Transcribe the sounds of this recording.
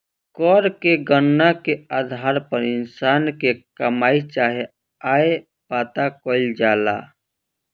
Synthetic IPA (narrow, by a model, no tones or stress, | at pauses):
kɔːɾkeɡənːakead̪ʱaːɾpəɾɪnsaːnkekɐmaːit͡ʃaːɦe | aːe | paːt̪akoːld͡ʒaːla̰ː